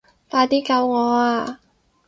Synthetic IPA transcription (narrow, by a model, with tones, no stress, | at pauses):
faː˧t̪iː˥kɐ˧wŋɔː˨˧aː˧